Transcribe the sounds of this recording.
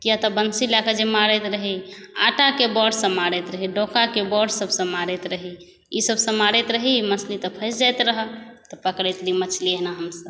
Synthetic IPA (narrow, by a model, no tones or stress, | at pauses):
kijat̪ɔbənsilakəd͡ʒemaɾɛt̪ɾəɦiaʈakebɔɖsə̃maɾɛt̪ɾəɦiɖokakebɔɖsəbsə̃maɾet̪ɾəɦi | isəbsə̃maɾet̪ɾəɦiimət͡ʃʰlit̪əpʰəjsd͡ʒajt̪ɾəɦət̪ɔpəkɽɛt̪limət͡ʃʰliəɦnaɦəmsəb